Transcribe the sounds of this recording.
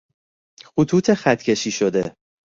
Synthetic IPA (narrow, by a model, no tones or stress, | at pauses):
xut̪ʰuːt̪ʰexæt̪cʰe̞ʃiːʃod̪e